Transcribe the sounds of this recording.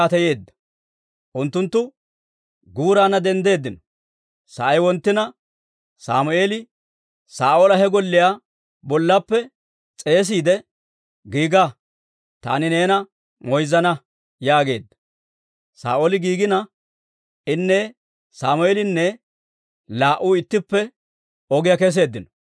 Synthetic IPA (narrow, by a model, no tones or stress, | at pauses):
at̪ɐje̞ːd̪ːɐ̥ | ʔʊnt̪ːʊnt̪ːʊ | ɡuːɾaːnɐd̪ɛnd̪e̞ːd̪ːɪnɔ | sɐ̰ʔɐjwɔnt̪ːɪnɐ | sa̰ːmʊʔe̞ːlɪ | saːʔoːlɐɦɛɡɔlːɪjaː | bɔlːɐpːɛ | t͡sʼe̞ːs̬iːd̪ɛ | ɡiːɡa | t̪a̰ːnɪne̞ːnɐ | ŋɔjzɐnɐ | jaːɡe̞̰ːd̪ːɐ̥ | sa̰ːʔolɪɡiːɡɪnɐ | ɪnːɛ | saːmʊeːlɪnːɛ | laːʔuːɪt̪ːɪpːɛ | ɔɡɪjakɛs̬e̞ːd̪ːɪnɔ̥